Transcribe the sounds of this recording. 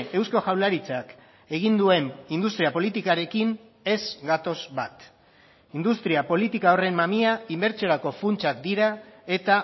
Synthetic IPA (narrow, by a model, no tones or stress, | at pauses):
e̞wsko̞ʝawlaɾit͡sak | e̞ɣ̞ind̪ue̞nind̪ust̪ɾiapo̞lit̪ikaɾe̞kin | e̞zɡat̪o̞zbat̪ | ind̪ust̪ɾiapo̞lit̪ikao̞re̞mːamiaimbe̞ɾt͡sio̞ɾako̞funt͡ʃak̚d̪iɾae̞t̪a